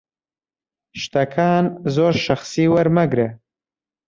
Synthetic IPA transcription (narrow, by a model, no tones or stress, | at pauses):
ʃt̪ɐkʰaːnzoːɾʃɐxsiːwɐɾmɐɡɾe